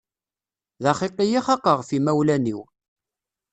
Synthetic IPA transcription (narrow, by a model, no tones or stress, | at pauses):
ðɑχiqijiχɑqːəʁfimæwlæniw